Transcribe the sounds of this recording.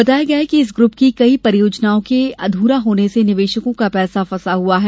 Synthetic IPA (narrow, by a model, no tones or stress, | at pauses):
ɐt̪aːjaɡɐekiɪs̬ɡɾʊp̚kikɐipɐɾjoːd͡ʒnaːõkeɐ̰d̪ʱuːɾaɦoːnesenɪʋeːʃəkõkapɛːsafɐsaɦuaɦɛː